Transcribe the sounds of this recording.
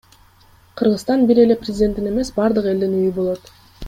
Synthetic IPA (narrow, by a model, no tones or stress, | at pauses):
qʰɯɾʁɯst̪ɑnbiɾe̞le̞prʲɪzʲdʲe̞nt̪ine̞me̞sbɑɾd̪ɯqe̞ld̪inyjybo̞lˠo̞t̪